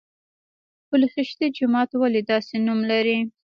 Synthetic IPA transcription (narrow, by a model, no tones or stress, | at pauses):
pʊlexɪʃt̪ed͡ʒʊmɑt̪waled̪ɑsenumlaɾi